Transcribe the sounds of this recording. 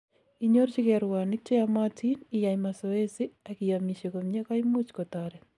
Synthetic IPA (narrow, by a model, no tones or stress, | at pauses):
iɲoɾt͡ʃikɛɾwanɪk̚t͡ʃejamatʰinijajmasoesiakijamiʃekomɲekajmut͡ʃkotaɾɛ